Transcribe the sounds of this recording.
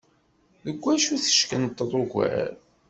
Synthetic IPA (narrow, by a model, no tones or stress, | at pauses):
ðəɡʷːæʃuθə̥ʃkənət̪ˤːəðˤoɡʷæ̰ɾ